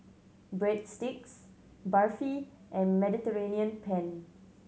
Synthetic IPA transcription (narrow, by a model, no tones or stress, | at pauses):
bɹɛd̚stɪks | bafi | ʔɛ̃nmɛditəɹeniə̃npʰɛ̃n